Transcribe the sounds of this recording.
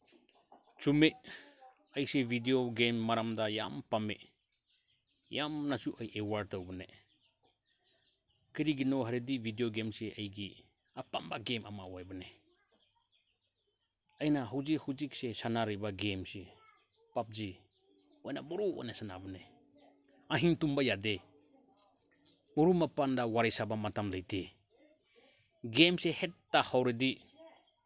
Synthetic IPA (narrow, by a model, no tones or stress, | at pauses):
t͡ʃume | ajsebʱidioɡemːaɾamdaja̰mpamḛ | jamnasuʔajʔewaɾ̚tawbɯne | kɯɾiɡinɔɦaɾedibʱidioɡemseʔajɡi | apambaɡemamawajbane | ajnaɦuwd͡ʒikhud͡ʒik̚sesanaɾibaɡemse | pap̚d͡ʒi | ɔjna̰bɔɾua̰nasana̰bane | aɦiŋtumbajade | mɔɾumapandawaɾajsabamatamlajtʰe | ɡemsehetːahawɾedi